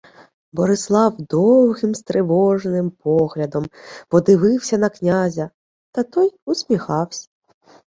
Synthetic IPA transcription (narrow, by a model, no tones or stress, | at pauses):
bɔɾɪslˠɑwd̪ɔwɣɪmst̪ɾɪʋɔʒnɪmpɔɣlʲɐd̪ɔmpɔd̪ɪʋɪwsʲɐnɐknʲazʲɐ | t̪ɐt̪ɔjusʲmʲixɑwsʲɐ̥